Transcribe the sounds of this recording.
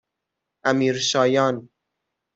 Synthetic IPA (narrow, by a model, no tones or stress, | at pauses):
ʔæmiːɾʃɒːjɒːn